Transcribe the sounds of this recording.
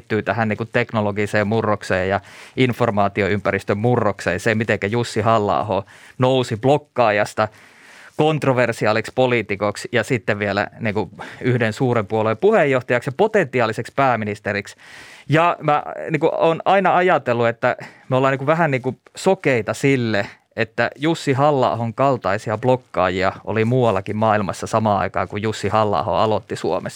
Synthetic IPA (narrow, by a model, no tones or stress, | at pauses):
t̪ːyːt̪æhænniːŋkut̪eknoloɡiseːmmurːoksḛːjɑinformɑːt̪ioympæɾist̪ømmurːoksḛːnsemit̪eŋkæjusːihɑlːɑ̰ːho̰ːnousiblokːɑːjɑst̪ɑ | kont̪roʋersiɑːlikspoliːt̪ikoksjɑsit̪ːeʋʋielæ̰niːŋkuyhdensuːɾempuolempuhejːoht̪ɑjɑksjɑpot̪ent̪ːiɑːlisekspæːminist̪eriksjɑmæniːkuoːnɑinɑɑjɑt̪elːuet̪ːæmeolːɑːniŋkuʋʋæɦænniːŋkusokeit̪ɑsilːe | et̪ːæjusːiɦɑlːɑ̰ːhoŋkɑlt̪ɑisiɑblokːɑ̰ːjiɑʔo̰limuːwɑlːɑkimmɑːilmɑ̰sːɑsɑmɑɑ̰ikɑ̰ːkujjusːihɑlːɑ̰ːho̰ɑlot̪ːisuo̰mes